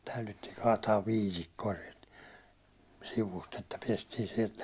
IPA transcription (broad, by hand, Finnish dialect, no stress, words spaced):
tɑylytːiːŋ kɑːtɑːʋ ʋiːtikːoɑ siɛlt siʋust etːæ piestiːn sielt